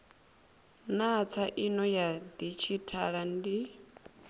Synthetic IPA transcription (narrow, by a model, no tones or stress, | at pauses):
nat͡sʰaʔinɔjad̪it͡ʃʰitʰaɺandi